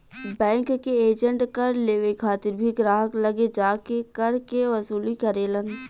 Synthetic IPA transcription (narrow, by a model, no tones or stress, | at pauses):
bɛ̃ːŋkːeeːd͡ʒəɳʈkɐɾleːʋekʰaːt̪ɪɾbʱiɡɾaːɦəklɐɡed͡ʒaːkekɐɾkeʋɐsuːlikɐɾeːlən